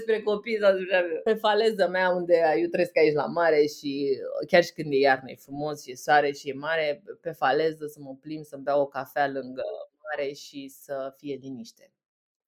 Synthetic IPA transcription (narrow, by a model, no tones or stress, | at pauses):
espɾe̞ko̞pijsaut͡ʃavpe̞fale̞zəmeaund̪e̞jewt̪ɾe̞skait͡ʃla̰maɾe̞ʃikʲarʃi̥kɨnd̪jejarnə̰jefɾumo̞sʃije̞soaɾeʃije̞maɾe̞pe̞fale̞zəsəməplimsəmbeawokafealɨŋɡə̰maɾe̞ʃisəfije̞liniʃt̪e̞̥